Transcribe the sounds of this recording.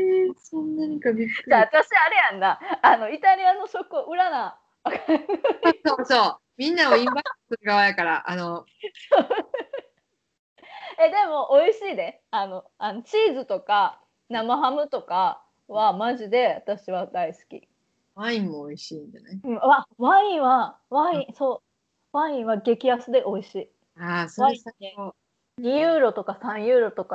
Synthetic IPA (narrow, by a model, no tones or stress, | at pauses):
esõnːaɲ̟ikabʲikɯ̥at̪aɕiaɾe̞jãnd̪aːno̞it̪aɾʲianːo̞ɕo̞kɯoʔɯ̟ɾana | aka | oːsoː | mʲĩnːaoĩmbasɨɾɯɡaβajakaɾaʔano | so | ed̪e̞mo̞ʔoiɕiːd̪e̞ | ano̞anot͡ɕiːzɨt̪o̞ka | namaɦamɯ̟t̪o̞ka | βamaʑid̪e̞at̪aɕiβad̪aisɨ̥kʲḭ | βaĩmoːiɕĩːɲdanaɯ̟̃ɴaβãĩɰ̃βaβãĩso̞ː | βãĩɰ̃βaɡe̞kʲiasɨd̪e̞ʔo̞iɕiː | asoβasao | ɲ̟ijɯːɾo̞t̪o̞kasãɰ̃jɯ̟ːɾo̞t̪o̞ka